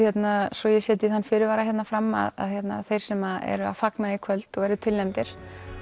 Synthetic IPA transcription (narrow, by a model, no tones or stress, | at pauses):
jɛt̪nasɔjɛsjɛːt̪ɪiθanːfɪɾɪɾvaːɾaçjɛt̪nafɾamːa̰ða̰ðçjɛt̪na̰θejɾ̥sɛmaɛ̰ɾʏa̰ðfaknaikʰœlt̪ɔɣɛɾðʏt̪ʰɪlːɛnt̪ɪɾ̥